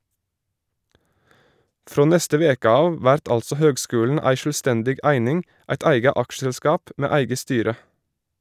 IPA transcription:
ˈfɾoː ˈnɛstə ˈʋeːkə ˈɑːʋ ˈʋæɾt ˈɑlsɔ ˈhøːɡˌskʉːln̩ ˈæɪ ʃɭ̩ˈstɛndɪɡ ˈæɪnɪŋ ˈæɪt ˈæɪɡə ˈɑkʃəlˌskɑːp ˈmeː ˈæɪɡə ˈstyːɾə

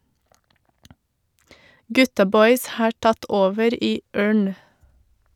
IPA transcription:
ˈɡʉtɑ ˈbɔʏs ˈhɑː ˈʈɑt ˈoːʋəɾ ˈiː ˈøːɳ

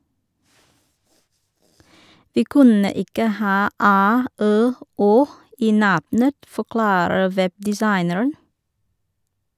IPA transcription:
ˈʋiː ˈkʉnə ˈɪkə ˈhɑː ˈæː ˈøː ˈoː ˈiː ˈnɑbnət fɔˈklɑːɾə ˈʋɛbdɪˌsɑɪnəɹən

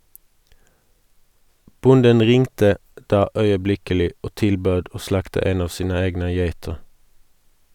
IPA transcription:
ˈbʊndən ˈʁɪŋtə ˈdɑː œʏəˈblɪkəlɪ ˈoː ˈtɪlˌbøːd ˈoː ˈslɑktə ˈeːn ˈɑːʋ ˈsiːnə ˈeːɡnə ˈjeɪtəʁ

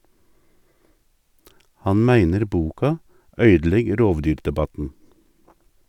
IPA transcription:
ˈhɑn ˈmæɪnəɾ ˈbuːkɑ ˈœʏdl̩ˌɛɡ ˈɾoːʋˌdyːɾdɛˌbɑtn̩

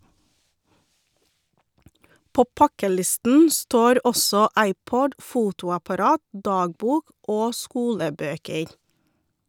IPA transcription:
ˈpoː ˈpɑkəˌlɪstn̩ ˈstoːɾ ˈɔsɔ ˈɑɪˌpɔd ˈfuːtʊɑpɑˌɾɑːt ˈdɑːɡˌbuːk ˈoː ˈskuːləˌbøːkəɾ

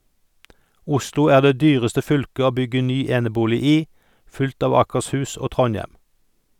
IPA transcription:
ˈʊslʊ ˈæːʁ ˈdeː ˈdyːʁəstə ˈfʏlkə ˈoː ˈbʏɡə ˈnyː ˈeːnəˌbuːlɪ ˈiː ˈfʉlt ˈɑː ʋɑːkəʁsˈhʉːs ˈoː ˈtʁɔnˌjɛm

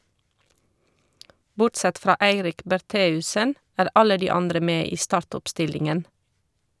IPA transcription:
ˈbʊʈˌsɛt ˈfɾɑː ˈæɪɾɪk bæɾˈteːʉsən ˈæːɾ ˈɑlə ˈdiː ˈɑndɾə ˈmeː ˈiː ˈstɑːɹtɔpˌstɪlɪŋən

